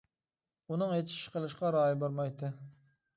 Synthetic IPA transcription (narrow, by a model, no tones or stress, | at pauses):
unɨŋet͡ʃʰi̥ʃqəlˠɨʃqɑɾɑːjibɑɾmɑjt̪ʰɨ